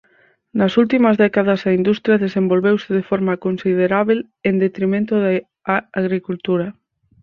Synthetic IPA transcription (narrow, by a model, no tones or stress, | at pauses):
nɐsult̪imɐzðɛkaðɐsaind̪ust̪ɾjaðesembolβewsɪðefɔɾmɐkonsiðeɾaβel | end̪et̪ɾimẽnt̪ʊða | aɣɾikult̪uɾɐ